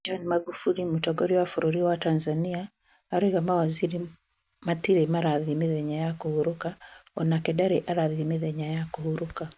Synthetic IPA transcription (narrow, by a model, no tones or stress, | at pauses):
d͡ʒɔnmaɡufuɾimutɔɡɔɾiwafoɾoɾiwatanzaniaː | ɾeɣamawaziɾi | matiɾemaɾaðimeðɛɲajakohuɾokaɔnakɛdaɾeʔaɾaðimeðɛɲajakohuɾoka